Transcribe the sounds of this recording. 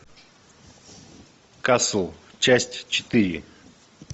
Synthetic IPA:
kaslˠt͡ɕasʲtʲt͡ɕɪ̥t̪ɨɾʲɪ̰

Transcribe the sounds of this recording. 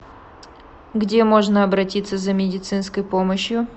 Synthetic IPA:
ɡdʲemoʐnəɐbɾɐtʲit̪sːəzəmʲɪdʲɪt̪sɨnskəjpoməɕjʊ

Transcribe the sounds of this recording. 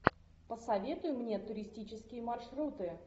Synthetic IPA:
pəsɐvʲe̞t̪ʊjʊmnʲe̞t̪ʊɾʲɪsʲtʲit͡ɕɪskʲɪjəmɐrʂɾut̪ɨ

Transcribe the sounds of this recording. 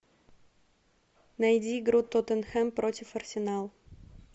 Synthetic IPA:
næjd̪ʲiɡɾut̪ːot̪ə̆nxɘmprot̪ʲɪfɐrsʲɪnɑlˠ

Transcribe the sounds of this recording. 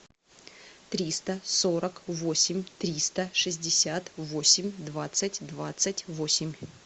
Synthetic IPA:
t̪ɾʲist̪əsoɾəkvo̞sʲɪmʲt̪ɾʲist̪əʂɨzʲdʲɪsʲat̪vo̞sʲɪmʲd̪vat̪sɨtʲd̪vat̪sɨtʲvo̞sʲɪmʲ

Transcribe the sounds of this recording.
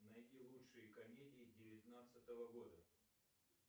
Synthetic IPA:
nəjʲilˠutʂɨjɪkɐmʲedʲɪːdʲɪvʲɪt̪nat̪sɨt̪əvəɡod̪ə

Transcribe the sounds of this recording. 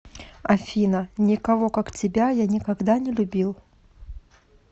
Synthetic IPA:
ɐfʲinənʲɪkɐvo̞kaktʲɪbʲajanʲɪkɐɡd̪anʲɪlʲʊbʲilˠ

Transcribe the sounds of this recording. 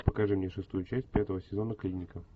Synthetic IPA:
pəkɐʐɨmnʲeɛʂɨst̪ujʊt͡ɕæsʲt̚ʲpʲat̪əvəsʲɪzo̞nəklʲinʲɪkə

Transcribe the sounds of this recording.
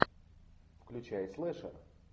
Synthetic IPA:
fklʲʉt͡ɕæjslˠɛʂə̰

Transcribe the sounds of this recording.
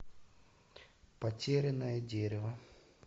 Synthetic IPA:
pɐtʲeɾʲɪnɐjɐdʲeɾʲɪvə

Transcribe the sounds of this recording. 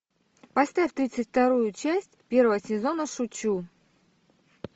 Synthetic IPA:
pɐst̪aɪfʲt̪ɾʲit̪sɨtʲft̪ɐɾujʊt͡ɕæsʲtʲpʲe̞rvəjəsʲɪzo̞nəʂʊt͡ɕu

